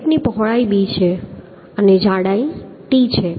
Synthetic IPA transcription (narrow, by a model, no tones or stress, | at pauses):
ʈnipɔɦɭaibit͡ʃʰe | əned͡ʒãɽai | ʈit͡ʃʰe